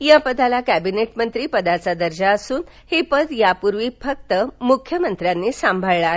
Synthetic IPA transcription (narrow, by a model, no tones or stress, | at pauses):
japəd̪alakæbineʈmənt̪ɾiːpəd̪at͡sad̪əɾd͡ʑaəsuːn | hepəd̪japuɾʋiːfək̚t̪əmukʰjəmənt̪ɾjanːiːsãmbʱəɭɭa